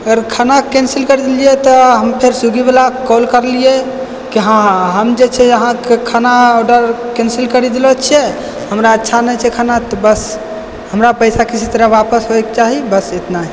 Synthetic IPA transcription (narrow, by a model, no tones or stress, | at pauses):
əɡəɾkʰanakensilkəɾid̪elijet̪ɔɦəmpʰeɾsuɡibelakɔlkəɾlije | kiɦãɦəmd͡ʒet͡ʃʰɛəɦãkekʰanaɔɖəɾkensilkəɾid̪elɔt͡ʃʰiɛ | həmɾaətːʃʰanɛt͡ʃʰɛkʰanat̪ɔbəs | həmɾapəjsakisʰit̪ɾəʋapəsɦoɛk̚t͡ʃaɦibəset̪naɛ